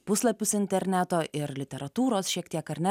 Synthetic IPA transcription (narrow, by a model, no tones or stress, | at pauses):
pʊslˠɐpʲʊsɪnʲt̪ʲɛɾʲnʲæt̪oːʔɪɾlʲɪt̪ʲɛɾɐt̪uːɾoːsʃʲiɛk̚t̪iɛkɐɾʲnʲæ